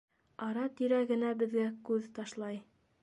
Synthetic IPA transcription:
ɑɾɑt̪iɾæɡɘ̆næbɘ̆ðɡækʉðt̪ɑʃlˠɑj

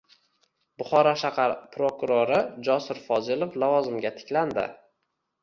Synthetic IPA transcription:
bʊχɒɾaʃaqɑɾpɾokʊɾoɾɪd͡ʒɒsɪɾfɒzɪlˠoflavɒzɪmɡʲat̪ʰɪ̥kʲland̪ɪ̰

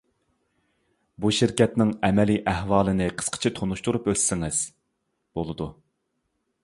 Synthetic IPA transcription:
buʃiɾkʲɛt̪nɪŋɛmɛliʔɛɦwɑːlˠɨnɪqʰə̥sqʰə̥t͡ʃʰɛt̪ʰonuʃt̪uɾupølsɪŋɪz̥ | b̥olˠɨd̪u

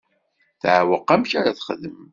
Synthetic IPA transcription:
θʕwəqːæmçaɾaθχəðəm

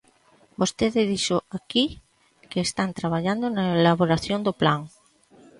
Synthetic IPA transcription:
bost̪eðɪðiʃoaki | keːst̪ant̪ɾaβ̞aʎand̪ʊnaelaβoɾaθjõnd̪oplaŋ

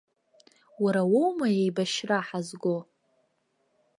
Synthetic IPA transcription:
waɾawowmajejbaʃraħazɡʷo

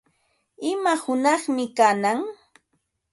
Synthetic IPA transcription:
ɪmahʊnɑχmɪkanaŋ

